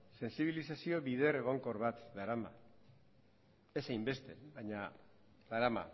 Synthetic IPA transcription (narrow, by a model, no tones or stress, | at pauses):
se̞nsiβ̞ilisasio̞βið̞e̞ɾe̞ɣ̞o̞ŋko̞ɾβat̪ðaɾama̰ | e̞sajmbe̞st̪e̞̰βaɲa | ðaɾama̰